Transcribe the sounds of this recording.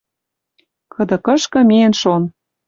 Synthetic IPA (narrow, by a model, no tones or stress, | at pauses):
kɤ̆d̪ɤ̆kɤ̆ʃkɤ̆meenʃon